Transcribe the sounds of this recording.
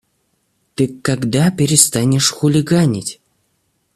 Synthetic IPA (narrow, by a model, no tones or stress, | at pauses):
t̪ɨkːaɡd̪apʲɪɾʲɪst̪anʲɪʂxʊlʲɪɡanʲɪtʲ